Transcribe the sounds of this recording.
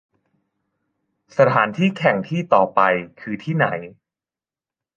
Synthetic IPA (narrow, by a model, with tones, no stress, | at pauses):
sa˧t̪ʰaː˩˦nt̪ʰiː˥˩kʰɛ˨˩ŋt̪ʰiː˥˩t̪ɔː˨˩pa˧jkʰɯː˧t̪ʰiː˥˩na˩˦j